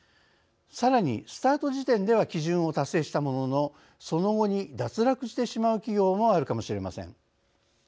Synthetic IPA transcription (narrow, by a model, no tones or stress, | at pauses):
saɾaɲ̟ḭsɨ̥t̪aːt̪o̞ʑit̪ẽ̞nd̪e̞β̞akʲiʑɨ̃ɰ̃o̞t̪asːe̞ːɕi̥t̪amo̞no̞no̞ | so̞no̞ɡo̞ɲ̟id̪at͡sɨɾakɯ̟ɕi̥t̪e̞ɕimaɯ̟kʲiɡʲo̞ːmo̞aɾɯ̟kamo̞ɕiɾe̞masḛ̃ŋ